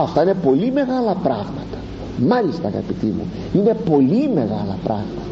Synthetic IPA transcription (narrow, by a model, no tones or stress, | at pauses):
ɐft̪ɐine̞po̞lime̞ɣɐlɐpɾɐɣmɐt̪ɐ̥ | mɐlist̪ɐːɣɐ̰pit̪imṵ | ine̞po̞lime̞ɣɐlɐpɾɐɣmɐt̪ɐ